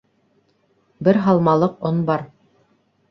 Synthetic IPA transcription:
bɘɾɦɑlˠmɑlˠɤqonbɑɾ

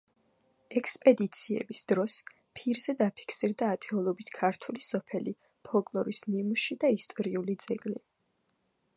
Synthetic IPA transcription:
ɛkʰspʼɛd̪it̪sʰiɛ̰bisd̪̥ɾɔs | pʰiɾzɛd̪apʰi̥kʰsiɾd̪aːt̪ʰʼɛɔlˠɔbit̪ʰkʰaɾt̪ʰulisɔpʰɛli | pʰɔlˠkʼlˠɔɾismimuʃid̪aist̪ʼɔɾiulid̪zɛkʼli

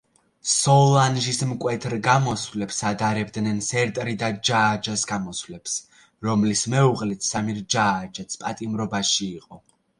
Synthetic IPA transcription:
sɔlˠanʒismkʼwɛt̪ʰɾɡamɔsvlɛpsad̪aɾɛb̚d̪nɛnsɛɾt̪ʼɾid̪ad͡ʒaːd͡ʒasɡamɔsvlɛps | ɾɔmlismɛuʁlit̪ʰsamiɾd͡ʒaːd͡ʒat̪sʰpʼat̪ʼimɾɔbaʃiːqʼɔ

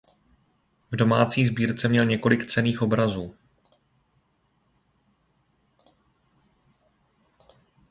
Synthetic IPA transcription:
vdo̞maːt͡siːzbiːɾt͡sɛmɲɛlɲɛko̞lɪkt͡sɛniːxo̞bɾazuː

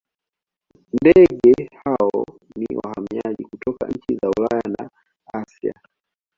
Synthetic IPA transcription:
ndɛɠɛhaɔniwa̰hamiaʄikutʰɔka̰ɲ̩t͡ʃizaulajana | asja̰

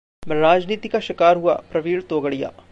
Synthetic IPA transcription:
mɛ̃ɾaːd͡ʒniːt̪ikaʃɪkaːɾɦua̰ːpɾɐʋiːɭt̪oːɡəɽija̰ː

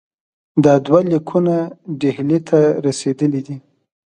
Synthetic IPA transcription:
d̪ɑd̪walikʰunaɖehlet̪ʰaɾased̪əlid̪i

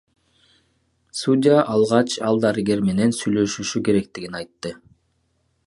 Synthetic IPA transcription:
sudʲɪaʔɑlˠʁɑt͡ʃɑlˠd̪aɾɨɡe̞ɾme̞ne̞nsyjlø̞ʃyʃyke̞ɾe̞k̚t̪iɡʲinɑjt̪ːɯ

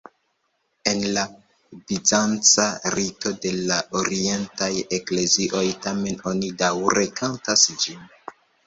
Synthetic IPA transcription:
e̞nla | bizant͡saɾito̞de̞lao̞ɾie̞ntaje̞kle̞ziʔo̞jtame̞no̞nidawɾe̞kʰantasd͡ʒin

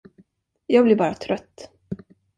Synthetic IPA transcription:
jɑːɡblɪɾbɑːɾat̪ʰɾœt̪ː

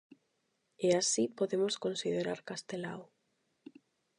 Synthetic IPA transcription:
easipoðemoskonsiðeɾaɾkast̪ela̰w

